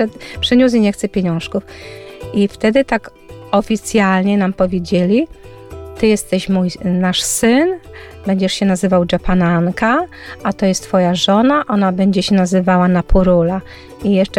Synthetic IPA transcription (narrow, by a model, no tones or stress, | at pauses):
ɛpʂɘɲus̬iɲɛxt̪sɛpʲeɲɔ̃w̃ʂkufʔift̪ɛd̪ɘt̪ak | ɔfʲit̪sʲjalɲɛnampɔvʲjed͡ʑelʲi | t̪ɘjɛst̪ɛɕmujnaʂsɘnbɛɲd͡ʑɛʂɕɛnazɘvawd͡ʐɛpanaŋka | ʔat̪ɔjɛst̪ːfɔjaʐɔnaʔɔnabɛɲd͡ʑɛɕɛnazɘvawanapʰuɾula | ijɛʂt͡ʂɛ